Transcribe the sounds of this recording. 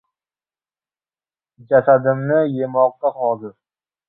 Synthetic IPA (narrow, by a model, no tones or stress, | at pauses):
d͡ʒasad̪ɪmnɪjemɒq̚t̪aχɒzɪɾ